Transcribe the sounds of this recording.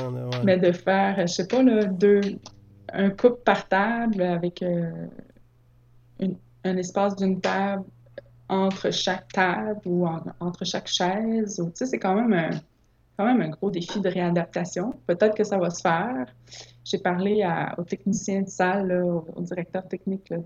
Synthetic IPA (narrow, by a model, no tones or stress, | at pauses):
mɛd̪əfɛːʁəəsepʌlɔd̪øː | œ̰̃kʊppaʁt̪ablavɛkʰø | yn | ɛ̃nɛspɑːsd̪ynt̪abl | ɑ̃t̪χəʃak̚t̪abluɑ̃ɑ̃t̪χəʃakʃɛːzut͡sesɛkɑ̃ːmɛ̃mə̃ | kɑ̃ːmɛ̃mɛ̃ɡʁod̪efid̪əʁead̪ap̚t̪asjɔ̃pøt̪ɛt̪χkəsavasə̥fɛːʁ | ʒ̥epaʁlea̰o̰t̪ɛknisjɛ̃d̪əsalːɔoo̰dd͡ziʁɛk̚t̪œːʁt̪ɛk̚nɪklɔ